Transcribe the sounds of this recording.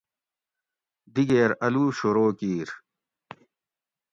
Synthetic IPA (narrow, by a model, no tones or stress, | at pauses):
d̪iɡeːɾɐluːɕoɾoːkiːɾ